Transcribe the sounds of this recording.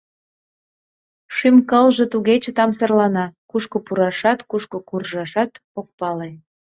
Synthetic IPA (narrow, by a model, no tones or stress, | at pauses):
ʃymkəlʒet̪uɣet͡ɕət̪ɑmsərlɑnɑkuʃkopuɾɑʃɑt̪kuʃkokurʒɑʃɑt̪ | ok̚pɑle